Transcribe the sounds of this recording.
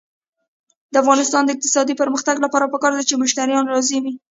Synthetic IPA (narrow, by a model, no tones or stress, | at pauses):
d̪əafɣɑnɪst̪ɑnd̪əɪq̚t̪ɪ̥sɑd̪ipəɾməxt̪aɡlapɑɾapəkɑɾd̪at͡ʃemʊʃt̪aɾjɑnɾɑziwi